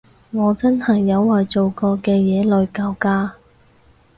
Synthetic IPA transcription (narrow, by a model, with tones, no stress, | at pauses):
ŋɔː˨˧t͡sɐ˥nhɐ˨jːɐ˨˧wːɐ˨jt͡so˨wkɔː˧kɛː˧jɛː˨˧lɵ˨˧ɥkaː˧wkaː˥